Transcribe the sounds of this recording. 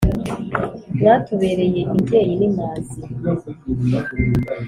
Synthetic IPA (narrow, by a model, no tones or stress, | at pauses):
jatʰoβe̞ɾe̞jeʔimɟeːjinimaːzi